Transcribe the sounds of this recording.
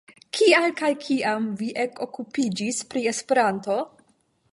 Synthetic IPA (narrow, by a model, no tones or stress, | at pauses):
kʰialkajkʰiʔamviʔeko̞kupid͡ʒispɾie̞spe̞ɾanto̞